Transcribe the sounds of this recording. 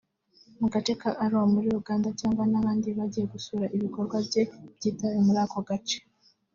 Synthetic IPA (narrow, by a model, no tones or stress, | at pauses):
muɡat͡ʃe̞kaʔːɾuwamuɾiuɡaːndacaːŋɡwanaβaːndiβaɟije̞ɡusuːɾaʔiβiko̞ɾɡwabje̞b̥ɟiːtawemuɾaːko̞ɡat͡ʃe̥